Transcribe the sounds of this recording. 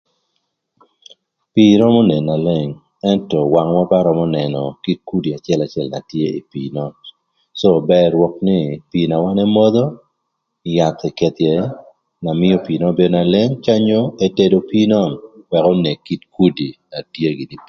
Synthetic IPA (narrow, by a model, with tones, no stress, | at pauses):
pi˦ɾɔ˦mɔ˦ne˨nːa˨le˦ŋ | ɛ˦ntɔ˨wa˨ŋmɔ˦pa˦ɾɔ˦mɔ˦nɛ˨nɔ˨ki˦t̚ku˦di˨a˨t͡ʃɪ˦ɛ˦la˨t͡ʃɪ˦ɛ˦lna̰˨tje˦i˨piːnɔ˦n | so˦bɛ˦ɾwɔ˨k̚nɪ˦pi˨na˨wa˦nɛ˦mɔ˦d̪ɔ˦ | ja˨t̪ɛ˨kɛ˨t̪je˨ | na˨mɪ˦ɔ˦piː˨nɔ˦be˨do˨na˨le˦ŋt͡ʃa˦ɲo˦e˦te˦do˨pi˦nɔ˦˨nwɛ˨kɔ˦ne˨ki˦tku˦di˨na˨tje˦ɡi˨ni˨